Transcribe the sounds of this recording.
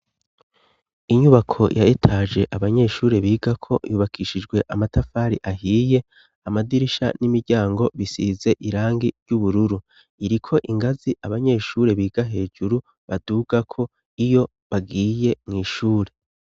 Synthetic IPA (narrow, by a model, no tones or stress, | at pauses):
iɲuβakʰo̞̰jʔaetʰaːʒe̞ʔaβaɲe̞ʃuːɾe̞βiːɡakʰo̞̰juːβakʰiʃid͡ʒɡwe̞ʔamatʰafaːɾiʔahiːje | amadiɾiʃa̰nimiɾɟaːŋɡo̞βisiːze̞ʔiɾaːŋɡiɾɟuβuɾuɾu | iɾikʰo̞ʔiŋɡaziʔaβaɲe̞ːʃuːɾe̞βiːɡ̥aɦe̞ːd͡ʒuɾu | βaduɡ̥akʰo̞ | ijo̞ | βaɡiːje̞mŋiːʃuːɾe̞